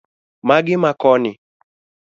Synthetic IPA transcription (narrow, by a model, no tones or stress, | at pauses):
maɡɪmakɔnɪ